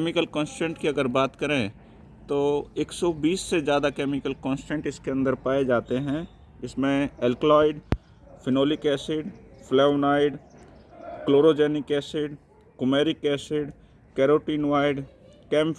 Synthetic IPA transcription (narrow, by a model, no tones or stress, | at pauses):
kemɪkəlkɔ̃ːnsʈɛ̃ɳʈkiɐɡəɾbaːt̪kɐɾẽ | t̪oːeːksɔbiːsːed͡ʒjaːd̪akeːmɪkəlkɔ̃ːnsʈɛ̃ɳʈɪskeɐ̃nd̪əɾpaːed͡ʒaːt̪eɦɛ̃ | ɪsmẽɛlklɔːɪɖ | fʰɪnoːlikɛːsɪɖfʰlɛːʋnaːɪɖ | kloːɾod͡ʒɛːnɪkɛːsɪɖ | kʊmeːɾikɛːsɪɖ | kɛːɾoːʈiːnʋaːɪɖ | kɛːm